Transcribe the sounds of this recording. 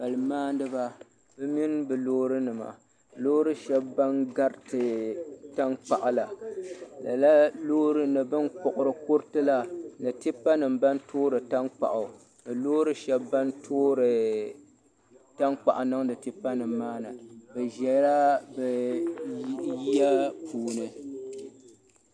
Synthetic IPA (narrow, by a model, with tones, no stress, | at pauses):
b̥a˨lɨ˨maː˦ndɨ˦ba˨ | bɨ˦mi˦nbɨ˨loː˦ɾɨ˦nɨ˨ma̰˨ | loː˦ɾɨ˦ʃɛ˦bːa˦nɡa˦ɾtɨ˨ta˦nk͡pa˨ʔa˨la˨la̰˨la˦loː˦ɾɨ˦nɨ˨bɨ˦nk͡pɔ˨ʔʊ˨ɾɨ˨kʊ˦ɾtɨ˦la˨nɨ˨tɪ˦pa˦nɨ˨mba˦ntʰoː˦ɾɨ˨ta˦nk͡pa̰˨ʔʊ˨ | nɨ˨loː˦ɾɨ˦ʃɛ˦bba˦ntʰoː˦ɾɨ˨ | ta˦nk͡pa̰˨ʔa˨nɨ˦ŋnɨ˨tɪ˦pa˦nɨ˨mːaː˦nɨ˨bɨ˨ʒɛ˨˦ɾa˦bɛ˨˦ | ji˦a˦pʰuː˨nɨ˨